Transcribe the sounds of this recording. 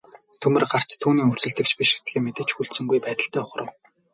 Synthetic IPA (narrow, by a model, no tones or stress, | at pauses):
t̪ʰɵmɘ̆rɢar̥t̪ʰːuːniːɵr̥sɵ̆ɮt̪ɘ̆kt͡ɕpʲiʃɘt̪ɡeːmet̪ɘ̆t͡ɕxuɮsɵ̆ŋɡujpæːt̪ə̆ɬt̪æːʊχ̆rə̆w